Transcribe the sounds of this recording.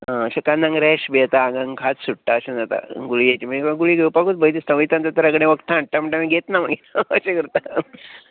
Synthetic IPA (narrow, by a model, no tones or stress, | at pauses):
ɦãəɕekanːãŋɡɾɛɕbet̪aŋɡãŋkʰat͡ssuʈʈaəɕẽnd͡zat̪a̰ɡuɭijet͡ɕimikaɡuɭiɡʱewpakuːt͡s̪bəjt̪̬ist̪ə̃ʋit̪ant̪at̪əɾəkɽẽʋəkt̪ʰãɳʈʈ̪am̤əɳʈamiɡʱet̪namaɡenəɕekəɾt̪a